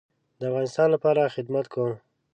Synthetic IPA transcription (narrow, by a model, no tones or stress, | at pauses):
d̪əafɣɑnɪst̪ɑnlapɑɾaxɪd̪mat̪kʰom